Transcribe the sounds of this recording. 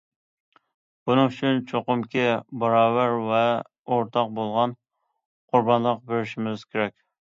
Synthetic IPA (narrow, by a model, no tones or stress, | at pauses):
bunɨŋyt͡ʃʰynt͡ʃʰoqʊmkʲɪbɑɾɑːwæɾvɛ | oɾt̪ʰɑq̚bolˠʁɑn | qʰʊɾbɑnlˠəq̚beɾɪʃimɪz̥kʲʰeɾɛk̚ʲ